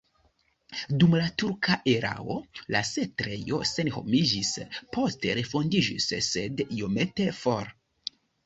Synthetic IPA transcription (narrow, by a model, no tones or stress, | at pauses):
dumlatuɾkʰaʔe̞ɾa̰o̞̰la̰setɾe̞jo̞̰se̞nho̞̰mid͡ʒispʰo̞ste̞ɾe̞fo̞ndid͡ʒisse̞dijo̞me̞te̞fo̞ɾ